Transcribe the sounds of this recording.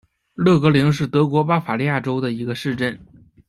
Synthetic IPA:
lɤ˥˩kɤ˧˥li˧˥ŋʂ̬ɻ̩˥˩t̪ɤ˧˥kwɔ˧˥pa˥fa˨˩li˥˧ja˥˩ʈ͡ʂo˥ʊd̪ə˨i˧˥ɡə˧ʂɻ̩˥˧ʈ͡ʂə˥˩n

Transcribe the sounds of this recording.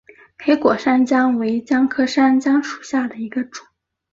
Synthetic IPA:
pʰe˧˥ɪkwɔ˨˩ʂa˥nt͡ɕjɑ˥ŋwe˧˥ɪt͡ɕjɑ˥ŋkʰɤ˥ʂa˥nt͡ɕjɑ˥ŋʂu̥˨˩ɕja˥˩d̪ə˩i˧˥ɡə˧ʈ͡ʂʊ̥˨˩˦

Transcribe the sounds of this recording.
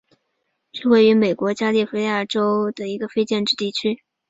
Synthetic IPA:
ʂɻ̩˥˧we˥˩ɪy˧˥me˨˩ɪkwɔ˧˥t͡ɕja˥li˥˩fe˥ja˥˩ʈ͡ʂo˥ʊd̪ə˨i˧˥ɡə˧fe˥ɪt͡ɕjɛ˥˧nʈ͡ʂɻ̩˥˧t̪i˥˩t͡ɕʰy˥

